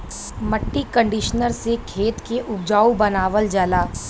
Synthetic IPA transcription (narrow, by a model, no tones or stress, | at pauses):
məʈːikə̃ɳɖɪʃnəɾsekʰeːt̪keʔʊb̚d͡ʒaːubɐnaːʋəld͡ʒɐlaː